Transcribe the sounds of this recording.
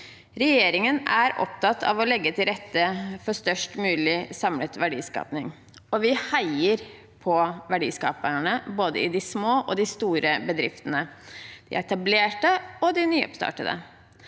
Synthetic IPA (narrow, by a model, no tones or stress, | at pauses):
ɾɛjeːɾɪŋənæɾɔ̰pt̪ɑt̪ʰːɑ̰ʋɔlɛɡːət̪ʰɪlɾɛt̪ːəfɔst̪œʂʈmʉːlɪsɑmlət̪ʋæɖḭːskɑ̰ːpnɪŋ | ɔʋɪhæɪəɾ | pʰɔʋæɖḭːskɑ̰ːpəɳəboːd̪ə̰ɪd̪ɪsmoːʔɔd̪ɪst̪uːɾəbəd̪ɾɪft̪ənəd̪̥ɪ̰ɛɛt̪ɑbleːʈəɔd̪ɪnyːɔ̰pst̪ɑ̰ːʈəd̪ə̰